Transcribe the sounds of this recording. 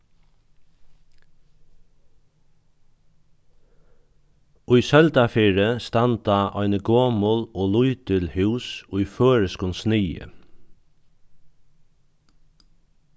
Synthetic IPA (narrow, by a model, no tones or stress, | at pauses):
ʊjsœlt̪afiːɹəst̪ɑnt̪aʔɔɪnəɡoːmʊloːlʊʏt̪ɪlhʉːsʊjføːɹəskʊnsnɪːə̰